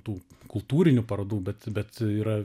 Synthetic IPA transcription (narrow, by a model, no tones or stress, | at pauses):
t̪uːkʊlˠt̪uːɾʲɪnʲʊpɐɾɐd̪uːbʲɛt̪bʲɛt̪iːɾɐ